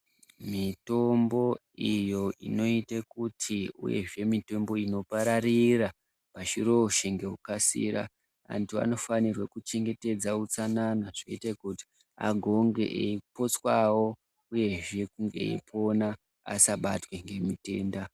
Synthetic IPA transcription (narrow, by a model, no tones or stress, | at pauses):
mito̞mbo̞ | ijo̞ʔḭno̞itakutʰiṵje̞̰ʐe̞mito̞mbo̞ino̞paɾarira | paʃiro̞ʃeŋɡe̞ɦukasḭɾa̰ | a̰ntia̰no̞fanirwekut͡ʃe̞ŋɡe̞te̞d͡zaut͡sananaʐoitakuti̥ | a̰ɡʱo̞ŋɡe̞̰ʔeipo̞t͡swawo̞ | uje̞ʐe̞kuŋɡe̞̰ḭpʰo̞na | a̰saɓa̰twe̞ŋɡe̞mite̞ːnda